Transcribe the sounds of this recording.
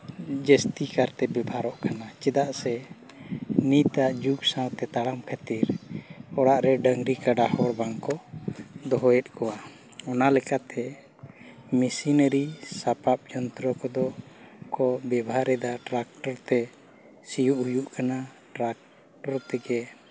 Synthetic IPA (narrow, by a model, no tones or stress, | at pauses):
d͡ʒəst̪ikaɾt̪ɛbɛbʱaɾɔʔkanat͡ʃɛd̪aʔsɛ | nit̪aʔd͡ʒuɡsãwt̪ɛt̪aɽamkʰat̪iɾɔɽaʔɾɛɖəŋɡɾikaɖahɔɾbaŋkɔd̪ɔɦɔɛt̪̚ˀkɔwa | ɔnalɛkat̪ʰɛ | misinəɾisapap̚d͡ʒɔnt̪ɾɔkɔd̪ɔkɔbɛbaɾɛd̪aʈɾak̚ʈɔɾt̪ɛ | sijuʔhujuʔkana | ʈɾak̚ | ʈɔɾt̪ɛɡɛ